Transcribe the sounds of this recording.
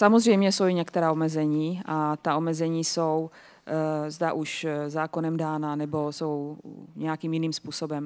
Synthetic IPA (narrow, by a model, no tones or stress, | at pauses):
samozr̝ɛjmɲɛso̞wɪɲɛkt̪ɛɾaːomɛzɛɲiːʔat̪ao̞mɛzɛɲiːsow | zdaʔuʃzaːko̞nɛmdaːnanɛboso̞wɲɛjakiːmjɪniːmspuːso̞bɛm